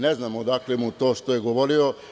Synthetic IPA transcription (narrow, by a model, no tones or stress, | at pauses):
neznaːmod̪aklemut̪o̞ːʃt̪ojeɡo̞ʋo̞ɾio